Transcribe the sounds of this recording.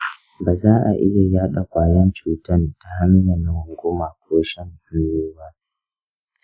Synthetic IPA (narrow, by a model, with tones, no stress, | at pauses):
baː˨zaː˦ʔa̰˨ʔɪ̰˦ja˨jaː˦ɗa˨kʷaː˨jɐ˦nt͡ʃuː˨tɐ˦nda˨ha˦mɪ˦ɲa˨nɐ˨ŋʊ˨ɡʷʊ˦ma˨kʷʰoː˦ʃɐ˦ŋʔʊ˨njeː˦ba˦ʔ